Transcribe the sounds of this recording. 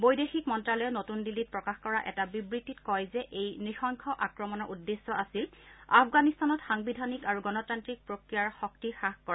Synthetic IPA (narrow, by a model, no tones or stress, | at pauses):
bojdexik̚mɔntɹalɔjɛnotundilːit̚pɹɔkaxkɔɹaʔɛ̰tabibɹitːitkɔjzɛʔejnixɔŋkʰɔʔakɹɔmɔnɔɹʔudːesːɔʔasila̰fʰɡanistanɔtxaŋbidʱanikaɹuɡɔnɔtantɹik̚pɹokɹijaɹxɔk̚tixaxkɔɹ